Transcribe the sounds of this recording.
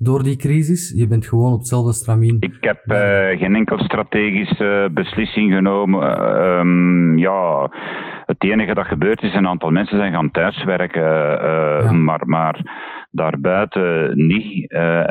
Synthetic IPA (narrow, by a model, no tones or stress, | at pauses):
doːrdikrizɪsjəbɛntxəʋoːnɔp̚ətsɛlˠvdəst̪raminɪkɦɛpɣeːnɛŋkələst̪rateːɣisəbəslɪsɪŋɣənoːməmja | əteːnəɣədɑtɣəbøːrtɪsənaːntɑlˠmɛnsənzɛjnɣaːntœːsʋɛɾkə | ma̰ːrmaːrdaːrbœːtəni